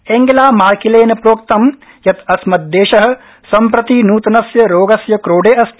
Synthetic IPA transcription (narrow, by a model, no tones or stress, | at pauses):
eːŋɡelaːmaːkileːnɐpɾoːkt̪ɐm | jɐt̪ɐsmɐt̪̚d̪eːʃɐɦɐ̆ | sɐmpɾɐt̪inuːt̪ɐnɐsjɐɾoːɡɐsjɐkɾoːɖeːɐst̪